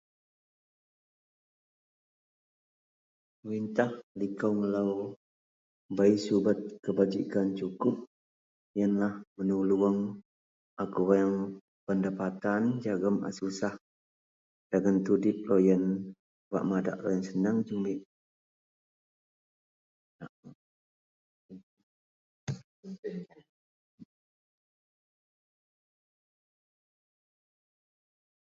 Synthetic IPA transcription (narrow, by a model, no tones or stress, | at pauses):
əɾint̪ahlikawŋəlaw | baisubət̪̚kəbad͡ʒikant͡ʃukʊp̚ | janlahmənuluəŋ | ʔakuwajaŋ | pəndapat̪and͡ʒaɡəma̰susah | d͡ʒaɡənt̪udɪp̚lojən | wa̰ʔmada̰ʔlojənsənəŋd͡ʒəŋlik̚ | naʔ